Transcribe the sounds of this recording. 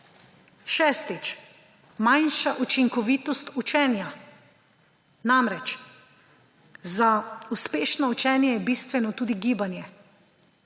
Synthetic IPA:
ʃɛːst̪it͡ʃ | majnʃaʔut͡ʃiŋkɔʋiːt̪ɔst̪ut͡ʃɛːnja | namɾɛt͡ʃ | zauspeːʃnɔut͡ʃɛːnjɛjɛbiːst̪ʋɛnɔt̪uːd̪iɡiːbanjɛ

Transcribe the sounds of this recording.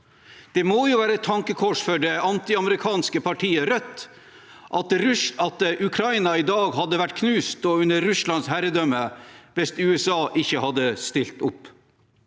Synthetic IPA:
d̪̥ɛmoːjʊːʋæːɾəɛt̪ʰːɑŋkəkʰɔʂfɔɖɛɑnt̪ɪɑməɾɪkʰɑːnskəpʰɑʈʰiːəɾœt̪ː | ʔɑt̪ɾʉɑt̪ʔʉkʰɾɑɪnɑɪd̪ɑːɡɦɑd̪ːəʋæʈːkʰnʉːst̪ɔʉnːəɾːʉslɑnshæɾəd̪œmːəʋɛst̪ʉːɛsɑːʔɪçːəhɑd̪ːəst̪ɪlt̪ʊp

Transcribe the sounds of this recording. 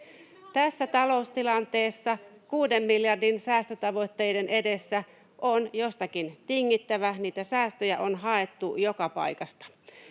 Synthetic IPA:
t̪æsːæt̪ɑlo̞ust̪ilɑnt̪e̞ːsːɑkuːde̞mːiljɑrdinsæːst̪øt̪ɑʋo̞t̪ːe̞jde̞nʔe̞de̞sːæ | ʔonjo̞st̪ɑkint̪iŋːit̪ːæʋæniːt̪æsæːst̪øjæʔo̞nɦɑe̞t̪ːujo̞kɑpɑ̰jkɑst̪ɑ̥

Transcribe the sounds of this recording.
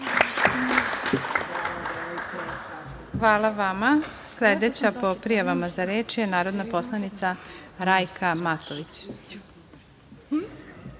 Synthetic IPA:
xʋaːlˠaʋama | sled̪et͡ɕapo̞pɾijaʋamazaɾeːt͡ʃjenaːɾod̪napo̞slˠanit̪saɾajkʰamat̪oʋit͡ɕ

